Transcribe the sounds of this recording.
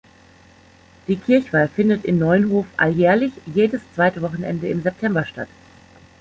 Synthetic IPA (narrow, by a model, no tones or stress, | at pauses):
d̥iːkʰɪɐçv̥aːfɪndətɪmnɔʏənɦoːfʔa̰ljɛːɐlɪçjeːdəst͡sv̥aɪtəvɔχn̩ʔɛ̰ndəɪmzɛp̚tʰɛmbɐʃta̰t